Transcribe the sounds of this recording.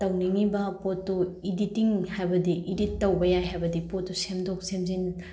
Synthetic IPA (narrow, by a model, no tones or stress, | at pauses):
tɐwniŋibɐpotːuiditiŋhajbɐdiʔiditːɐwbɐjajɦajbɐdipotːusemdok̚semzin